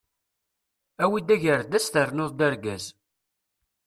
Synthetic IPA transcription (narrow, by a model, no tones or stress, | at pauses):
æwid̪æʝəɾd̪æst̪əɾnoðˤd̪æɾɡæz